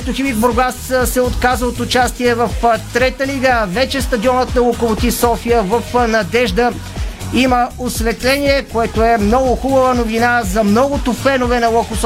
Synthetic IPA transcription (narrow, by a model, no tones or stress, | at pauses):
st̪ʊxibiɡboɾɡassɛot̪kazəot̪ʊt͡ʃast̪iɛvɐft̪ɾɛt̪əliɡəːvɛt͡ʃɛst̪ɐd̪iɔnət̪nɐlˠokovot̪isɔfijəvɐfnɐd̪ɛʒd̪ə | iməosvɛt̪lɛniɛkoɛt̪oɛmnɔɡʊxubəvənovinazɐmnɔɡʊt̪ʊfɛnovɛnɐlˠɔkos